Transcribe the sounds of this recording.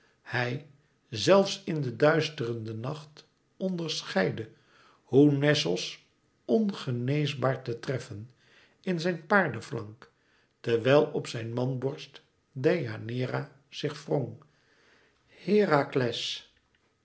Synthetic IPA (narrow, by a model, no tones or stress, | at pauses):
hɛj | zɛlˠfsɪndədœɥstərəndənɑχt | ɔndəɹsχɛjdə | hunɛsəlˠs | ɔnχənejzbaːɹtətrɛfən | ɪnzɛjnpaːɹdəflɑŋk | təɹʋɛjlˠɔpsɛjnmɑnbɔɹst | deja̰nɪːra | z̥ɪχfroŋ | hɪːraklɛs